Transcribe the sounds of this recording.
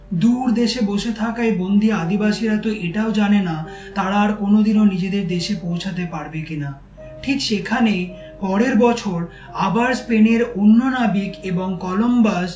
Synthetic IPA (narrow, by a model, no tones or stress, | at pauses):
d̪uɾd̪eʃeboʃet̪ʰakaebond̪ʱiad̪ibaʃiɾat̪oʔeʈaod͡ʑanena | t̪aɾaːɾkonod̪inonid͡ʑed̪eɾd̪eʃepowt͡ɕʰat̪̬epaɾbekina | ʈʰikʃekʰane | pɔɾeɾbɔt͡ɕʰoɾ | abaɾspeneɾonːonabikeboŋkɔlombas